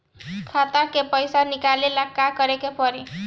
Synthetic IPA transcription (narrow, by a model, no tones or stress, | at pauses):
kʰat̪akepʌjsanikalelakakʌɾekepʌɾi